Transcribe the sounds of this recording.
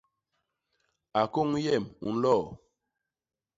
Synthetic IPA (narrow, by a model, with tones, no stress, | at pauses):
a˨ko˦ŋjɛ˦˨mṵ˨n̩˦lɔ˦˨